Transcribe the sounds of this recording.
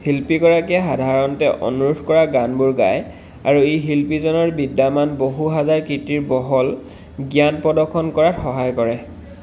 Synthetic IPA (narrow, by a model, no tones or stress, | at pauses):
hilpiɡɔɹakɛxadʱaɹɔntɛʔɔ̰nuɹudʱkɔɹaɡanbuɹɡa̰j | a̰ɹueɦilpizɔnɔɹbidːamanboɦuɦazaɹkitiɹbɔɦɔl | ɡjanpɔdɔkʰːɔnkɔɹatxɔɦajkɔɹɛ